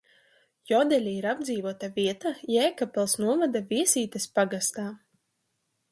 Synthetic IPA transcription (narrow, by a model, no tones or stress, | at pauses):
jɔd̪ɛlʲiiɾab̚d̪ziːvuɔt̪aviɛt̪ajɛːjkapɛlˠsnuɔvad̪aviɛsʲiːt̪espaɡast̪aː